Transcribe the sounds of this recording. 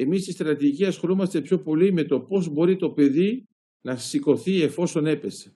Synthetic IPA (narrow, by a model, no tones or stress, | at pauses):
e̞mist̪ist̪ɾɐt̪iiciɐsxo̞lomɐst̪epço̞po̞lime̞t̪o̞po̞zbo̞ɾit̪o̞pe̞ði | nɐsiko̞θie̞fo̞so̞ne̞pe̞se̥